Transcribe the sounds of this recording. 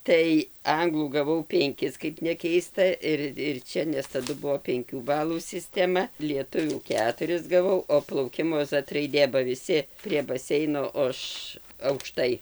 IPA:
ˈtɐɪ ˈɐŋɡlˠuː ɡɐˈʋɐʊ pʲɛŋʲˈkʲɪs kɐɪp nʲɛˈkʲɛɪstɐ ˈɪr ɪr ˈt͡ʃʲɛ nʲɛs tɐˈdʊ ˈbʊʋoː pʲɛŋʲˈkʲuː ˈbɑːlˠuː sʲɪsʲtʲɛˈmɐ lʲiɛˈtʊʋʲuː ˈkʲæːtʊrʲɪs ɡɐˈʋɐʊ oː plˠɐʊˈkʲɪmoː ˈzɐt rɐɪˈdʲeː bɐ ʋʲɪˈsʲɪ pʲrʲiɛ ˈbɑːsʲɛɪnoː oː ˈɐʃ ɐʊkˈʃtɐɪ

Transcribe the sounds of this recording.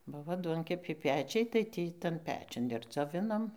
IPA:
ˈbʊʋoː ˈduɔŋʲkʲɛpʲɛɪ ˈpʲæːt͡ʃʲɛɪ tɐɪ ˈtʲiː ˈtɐn ˈpʲæːt͡ʃʲʊn ɪr d͡zoːˈʋʲɪnoːm

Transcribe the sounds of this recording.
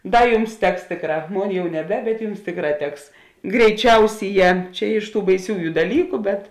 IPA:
ˈdɐr ˈjʊms ˈtʲɛks ˈtʲeːkˌrɑː ˈmoːn ˈjɛʊ nʲɛˈbʲɛ bʲɛt ˈjʊms ˈtʲeːkˌrɑː ˈtʲɛks ɡrʲɛɪˈt͡ʃʲɛʊsʲiːˌjɛː ˈt͡ʃʲɛ ɪʃ tuː bɐɪˈsʲuːjʊ dɐˈlʲiːkʊ bʲɛt

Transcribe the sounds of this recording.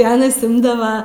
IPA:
ɪ ˈɑːnɐs ˈɪmdɐʋɐ

